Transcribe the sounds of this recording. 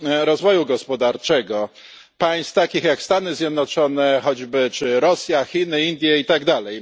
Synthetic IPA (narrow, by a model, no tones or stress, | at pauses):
ɾɔzvɔjuɡɔspɔd̪aɾt͡ʂɛɡɔ | paj̃st̪t̪akʲixjakst̪anɘzʲjɛd̪nɔt͡ʂɔnɛxɔd͡ʑbɘt͡ʂɘɾɔsʲjaxʲinɘind̪ʲjɛit̪aɡd̪alɛj